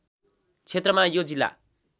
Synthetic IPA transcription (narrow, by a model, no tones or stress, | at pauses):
t͡sʰet̪rʌmajod͡zilːa̰